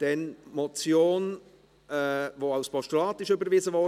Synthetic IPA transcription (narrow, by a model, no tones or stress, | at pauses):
d̥ɛnmɔt͡sjoːn | ɛvoːaʊspʰɔʃtulɑːt̪ɪʃʏbəɾviːzəvo